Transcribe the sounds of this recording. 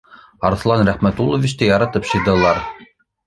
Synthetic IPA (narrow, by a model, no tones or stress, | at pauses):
ɑɾθlˠɑnɾæχmæt̪ulˠovʲit͡ɕt̪ɘjɑɾɑt̪ɤpɕɤ̆jd̪ɤ̆lˠɑɾ